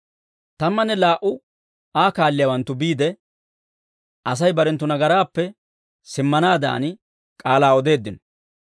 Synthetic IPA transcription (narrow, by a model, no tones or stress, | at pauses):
t̪ɐmːɐnːɛlaːʔʊ | aːkaːlːɪjaːwɐnt̪ːʊbiːd̪ɛ | ʔɐs̬ɐjbɐɾɛnt̪̬ːʊnɐɡɐɾaːpːɛ | sɪmːɐnaːd̪a̰ːn | kʼaːlaːɔd̪e̞ːd̪ːɪnɔ